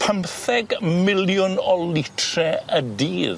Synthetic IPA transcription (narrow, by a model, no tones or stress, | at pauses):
pʰəmθɛɡmɪljʊnɔlɪtʰrɛədiːð